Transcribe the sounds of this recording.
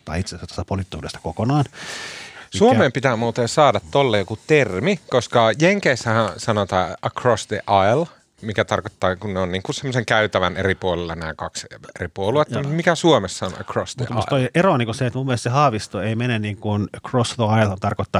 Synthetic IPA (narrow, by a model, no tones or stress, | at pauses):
t̪ɑ̰iit̪sesæt̪o̥st̪ɑpolit̪ːṵːdḛst̪ɑ̥kokonɑːn | ssuomeːmpit̪æːmuːt̪esɑːdɑt̪t̪olːejokut̪ermikoskɑjeŋkeːsːæhæ̃sɑnot̪ɑːʔəkrosd̪eʔɑl | mikæt̪ɑrkot̪ːɑːkunneonniːŋkunsemːoseŋkæyt̪æʋæneripuolelːɑnæːkɑksḛripuoluet̪ːɑmut̪mikæsuomesːɑonə̰krosd̪ut̪ːstt̪oieronikuseet̪mumːiest̪sehɑːʋist̪oeimenenniːŋkunkrosðoɑilhont̪ɑrkot̪ːɑː